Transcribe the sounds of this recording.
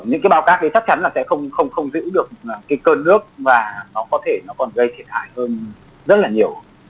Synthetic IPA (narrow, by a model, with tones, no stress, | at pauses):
ɲɨ̰˧˥ŋkːaː˨˦jɓaː˧˦wkaː˦˥k̚ɗə˨˦t͡ɕa˦˥t͡ɕa˨˦nlaː˨˩sɛ̰˧˥xə˧wŋ͡mxə˧wŋ͡mxə˧wŋ͡mzɨ̰˧˥ɗɨ˨˩ək̚ːkaː˨˦jkəː˧nːɨ˦˥ək̚vaː˨˩nɔ˨˦kɔ˨˦t̪ʰe˧˩nɔ˨˦kɔ˨˩nɣə˧jt̪ʰi˨˩ət̚ha̰ː˧˨jhəː˧n | zə˦˥t̚laː˨˩ɲi˨˩əw